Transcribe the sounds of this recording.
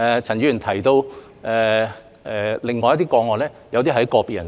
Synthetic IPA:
ɛː˨˧t͡sʰɐ˨˩nɥyː˨˧˩nt̪ʰɐ˨˩jt̪o˧w | ɛː˨ | ɛ˨lɪ˨ŋːɔː˨jɐ˥t̪iː˥kɔː˨˧ŋɔː˨˩lɛː˥jɐ˧wt̪i˥ɐ˨˧˥jkɔː˧piː˨˧jɐ̰˨˩n

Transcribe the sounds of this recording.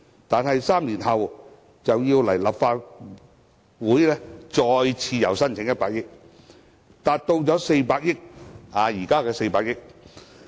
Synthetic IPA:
t̪aː˨nɦɐ˨jsaː˥mliː˨˩nhɐ˨w | t͡sɐ˨wjiː˧wlɐ˨˩jlɐ˨˩pfaː˧t̚ | wuː˨˥jlɛː˥t͡sɔː˧jt͡sʰiː˧jɐ˨˩wsɐ˥nt͡sʰɪ˨˥ŋjɐ˥t̚paː˧k̚jɪ˥k̚ | t̪aː˨t̚t̪o˧wt͡sɔː˨˥se˧jpaː˧k̚jɪ˥k̚aː˨˧jiː˨˩kaː˥kɛː˧se˧jpaː˧k̚jɪ˥k̚

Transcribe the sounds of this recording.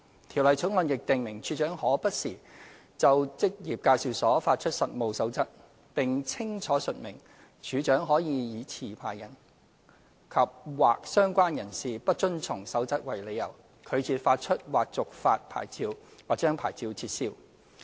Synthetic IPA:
t̪ʰi˨˩wlɐ˨˩jt͡sʰʊ˨˥ŋlɔ˨˧njɪ˨k̚t̪ɪ˨ŋmɪ˨˩ŋt͡ʃʰyː˨˥t͡ʃœː˨˥ŋhɔː˨˥pɐ˥t̚siː˨˩ | t͡sɐ˨wt͡sɪ˥k̚jiː˨p̚kaː˧jsiː˨˧wsɔː˨˥faː˧t̚t͡ʃʰɵ˥t̚sɐ˨t̚mo˨˧wsɐ˨˥wt͡sɐ˥t̚ | pɪ˨ŋt͡sʰɪ˥ŋt͡ʃʰɔː˨˥sɵ˨t̚mɪ˨˩ŋ | t͡ʃʰyː˨˥t͡ʃœː˨˥ŋɦɔː˨˥jiː˨˧jiː˨˧t͡sʰiː˨˩pʰa̰ː˨˩jːɐ˨˩n | kʰɐ˨p̚waː˨k̚sœː˥ŋkʷaː˥njɐ˨˩nsiː˨pɐ˥t̚t͡ʃɵ˥nt͡sʰʊ˨˩ŋsɐ˨˥wt͡sɐ˥t̚wɐ˨jle˨˧jɐ̰˨˩w | kʰɵ˨˧ɥt͡sʰiː˧t̚faː˧t̚t͡ʃʰɵ˥t̚waː˨k̚t͡sʊ˨k̚faː˧t̚pʰa̰ː˨˩jt͡siː˧wwaː˨˩t̚t͡ʃœː˥ŋpʰa̰ː˨˩jt͡siː˧wt͡sʰiː˧t̚siː˧w

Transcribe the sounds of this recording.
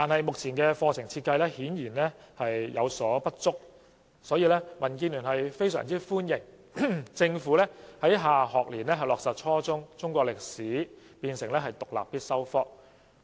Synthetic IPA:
t̪aː˨nhɐ˨jmʊ˨k̚t͡sʰiː˨˩nkɛː˧fɔː˧t͡sʰɪ˨˩ŋt͡sʰiː˧t̚kɐ˧jlɛː˥hiː˨˥njiː˨˩nlɛː˥hɐ˨jjɐ˨˧wsɔː˨˥pɐ˥t̚t͡sʊ˥k̚ | sɔː˨˥jiː˧lɛː˥mɐ˨˩nkiː˧nlyː˨˩nhɦɐ˨jfe˥jsœ̰ː˨˩ŋt͡siː˥fuː˥njɪ˨˩ŋ | t͡sɪ˧ŋfuː˨˥lɛː˥hɐ˨˥jɦaː˨ɦɔː˨k̚liː˨˩nlɛː˥ɦɐ˨˩jlɔː˨k̚sɐ˨˩t̚t͡ʃʰɔː˥t͡sʊ˥ŋt͡sʊ˥ŋkʷɔː˧klɪ˨k̚siː˨˥ | piː˧nsɪ˨˩ŋlɛː˥ɦɐ˨˩jt̪ʊ˨k̚la̰ː˨˩pːiː˥t̚sɐ˥wfɔː˥k̚

